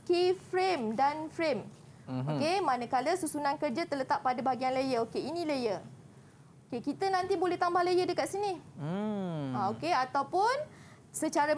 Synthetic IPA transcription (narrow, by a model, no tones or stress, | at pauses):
kefɾemdanfɾem | okemanəkaləsusunãnkərd͡ʒat̪ərlət̪aʔ̚padəbaaɡianləjəokeinĩləjə | okekit̪ənant̪ibolɛht̪ambahləjədəkat̪̚sini | aokeat̪awpʊn | sət͡ʃaɾə